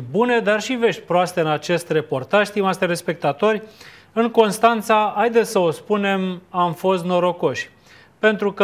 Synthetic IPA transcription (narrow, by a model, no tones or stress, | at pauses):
bune̞d̪arʃive̞ʃt̪ʲpɾoast̪e̞ɨnat͡ʃe̞st̪re̞po̞rt̪aʒst̪imast̪eɾe̞spe̞k̚t̪at̪o̞rʲ | ɨŋko̞nst̪ant̪saajd̪e̞t̪sʲsəospune̞mamfo̞st̪no̞ɾo̞ko̞ʃʲ | pe̞nt̪ɾukə